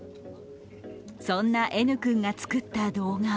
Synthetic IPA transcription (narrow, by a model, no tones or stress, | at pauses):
sõ̞nːaʔe̞nɯ̟kɯ̟̃ŋɡat͡sɨ̥kɯ̟t̪ːad̪o̞ːɡa